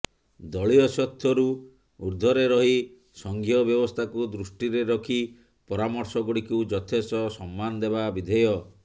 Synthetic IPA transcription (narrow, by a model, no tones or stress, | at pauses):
d̪ɔɭiɔsɔt̪ʰjɔɾu | uɾd̪ʱɔɾeɾɔɦi | sɔŋɡʱijɔbjɔbɔst̪ʰakud̪ɾusʈiɾeɾɔkʰi | pɔɾamɔɾsɔɡuɽikud͡ʒɔt̪ʰesɔsɔmːanɔd̪eβabid̪ʱɔjɔ